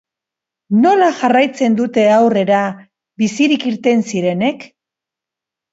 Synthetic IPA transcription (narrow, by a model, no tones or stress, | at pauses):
no̞laʝarajt͡se̞nd̪ut̪e̞awre̞ɾa | βisiɾikiɾt̪e̞nsiɾe̞ne̞k